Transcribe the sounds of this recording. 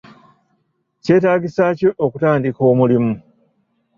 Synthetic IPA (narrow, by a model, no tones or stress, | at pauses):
ce̞ːtaːɡisaːco̞ʔokutaːndiko̞ːmulimu